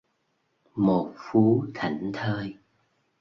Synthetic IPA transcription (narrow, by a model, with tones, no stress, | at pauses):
mo˨˩t̚fu˨˦t̪ʰa˧˩jŋ̟t̪ʰəː˧j